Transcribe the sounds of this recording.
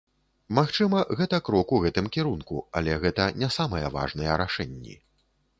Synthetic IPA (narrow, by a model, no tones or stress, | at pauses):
maxt͡ʂɨmɐɣɛt̪ɐkɾɔkuɣɛt̪ɨmkʲiɾunkṵa̰lʲɛɣɛt̪ɐnʲasamɐjɐva̰ʐnɐjɛɾaʂɛnʲːḭ